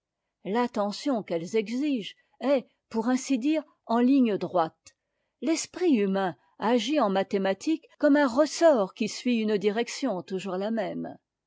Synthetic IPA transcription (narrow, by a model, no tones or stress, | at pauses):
lat̪ɑ̃sjɔ̃kɛlzɛɡziʒ | ɛ | puʁɛ̃sid̪iːʁ | ɑ̃liɲd̪ʁwat̪ | lɛspχiymɛ̃ | aʒiɑ̃mat̪emat̪ʰikːɔmɛ̃ʁəsɔʁkʲisɥiynd̪iʁɛksjɔ̃t̪uʒuʁlamɛm